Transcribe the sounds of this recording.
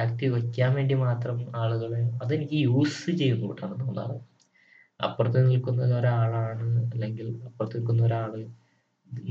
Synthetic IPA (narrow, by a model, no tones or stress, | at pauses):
aːkt̪ikɐkʲːaːnʋe̞ːɳɖimaːt̪rɐmaːɭuɣɐɭeɐðe̞nikʲːijuːsɨt͡ɕe̞jːunːukḭʈːaːɳɨnoːnːa̰ːrɐ | ɐ̰pːurɐt̪̬ːenilkunːɐðoɾuaːɭaːɳɨɐlːe̞ŋɡilɐpːurɐt̪ːenilkːunːɐoɾaːɭɨ